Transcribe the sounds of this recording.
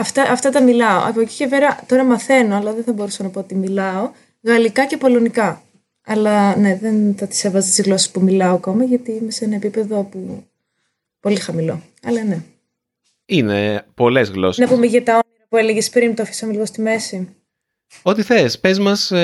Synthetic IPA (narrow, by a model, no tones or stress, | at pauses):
ɐft̪ɐʔɐft̪ɐt̪ɐmilɐo̰ʔɐ̰poci̥ce̞peɾɐt̪o̞ɾɐmɐθe̞noɐlɐðenθɐbo̞ɾusɐnɐpo̞ot̪imilɐo̞ | ɣɐlikɐce̞po̞lo̞nikɐ | ɐlɐne̞ðe̞nθɐt̪i̥se̞vɐzt̪izɣlo̞se̥spumilɐoɐko̞mɐʝɐt̪iimesenɐepipe̞ðo̞pu | po̞lixɐmilo̞̰ | ɐlɐne̞ | inepo̞le̞zɣlo̞̰snɐpumeʝɐt̪ɐominɐpue̞leʝespɾint̪ofi̥sɐmeliɣost̪ime̞sim | o̞t̪iθespezmɐs